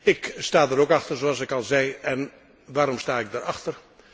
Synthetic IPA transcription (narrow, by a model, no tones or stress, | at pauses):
ɪkstaːdəɾokɑxtərzoɑsɪkɑlˠzɛjɛn | ʋaːɾɔmstaːɪɡ̚daɾɑxtər